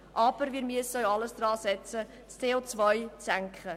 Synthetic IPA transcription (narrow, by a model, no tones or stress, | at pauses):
ʔɑːbəɾviəɾmiəsœɥɑləsdrɑːsɛt͡sə | t͡stʰeːoːt͡svœjt͡sæŋkχə